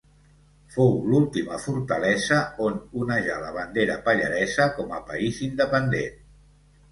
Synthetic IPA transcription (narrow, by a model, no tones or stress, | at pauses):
fowlulˠt̪imə̰fuɾt̪əlɛzəonunəʒaləβand̪eɾəpaʎə̰ɾɛzəkɔməpaizind̪əpənd̪en